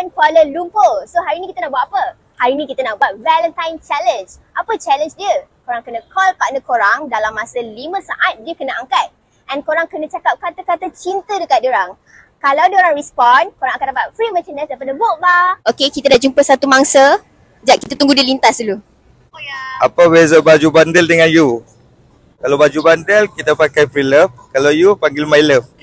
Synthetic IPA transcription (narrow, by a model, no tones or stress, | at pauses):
ənkaləlumpəsoɦaɾinĩkit̪ənaʔbuaʔapə | haɾinĩkit̪ənaʔbat̪̚vɛlə̃nt̪ãjnt͡ʃɛlənd͡ʒʔapət͡ʃɛlə̃nsdiəkoɾaŋkənə̃kʰɔlpaʔnəkoɾaŋdalamːasəlimə̃saʔat̪̚diəkənəʔaŋkat̪̚ | ʔɛ̃nkoɾaŋkənə̃t͡ʃakap̚kat̪əkat̪ət͡ʃint̪ədəkat̚dioɾaŋ | kalawdiəoɾaŋrispɔnkoɾãŋakat̚dapat̪̚fɾimə̃t͡ʃənəsdapadəboʔ̚baokekit̪adaʔd͡ʒumpəsat̪umaŋsə | d͡ʒaʔkit̪at̪uŋɡudilint̪asulu | japabezabad͡ʒubandəldəŋãnju | kalabad͡ʒubandəlkit̪apakajfɾiləfkalawjupaŋɡɪlmajləf